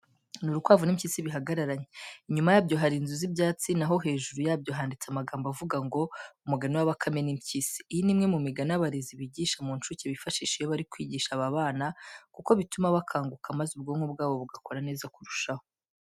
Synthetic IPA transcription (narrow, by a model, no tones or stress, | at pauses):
nuɾutwaːvunimciːsiβiɦaɡaɾaɾaɲeiɲumajaːbɟo̞ɦaɾiːnzuzibɟaːt͡sinaɦo̞ɦe̞ːʒuɾujabjo̞ɦaːndit͡samaɡaːmbavuɡaŋɡo̞umuɡaniwaβakʰame̞nimcisi̥ːjinimŋe̞mumiɡanaβaɾeziβiɟiʃamunt͡ʃuceβifaʃiːʃijoβaɾikwiːɟiːʃaβaβaːnakuko̞βitumaβakʰaːŋɡukʰamazub̚ɡomubɡaːβo̞βuɡako̞ɾane̞ːzakuɾuʃaho